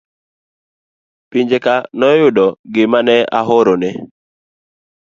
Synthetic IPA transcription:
piɲd͡ʒekanɔjʊdɔɡɪmanɛa̰ɦɔɾonɛ

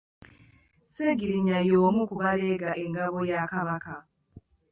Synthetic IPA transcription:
seɡiɾiɲajoːmukuβaleɡaʔeŋɡaβojakaβaka

